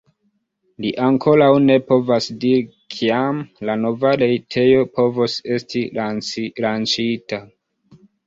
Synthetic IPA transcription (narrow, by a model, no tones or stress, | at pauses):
liʔaŋkʰo̞ɾawne̞po̞vasdiɾikʰiamlano̞vaɾejtʰe̞jo̞po̞vose̞sti | lant͡ʃita